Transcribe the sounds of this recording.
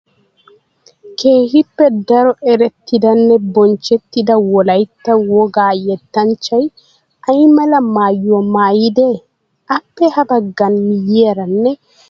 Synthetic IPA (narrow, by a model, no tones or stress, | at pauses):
keːhipːɛdaɾɔʔɛɾet̪ːidanːɛbɔɲt͡ʃet̪ːidawɔlajtːawɔɡaːjɛtːaɲt͡ʃaj | ajmalamaːjɔmaːjidɛ | ʔapːɛhabaɡanːijɛɾanːɛ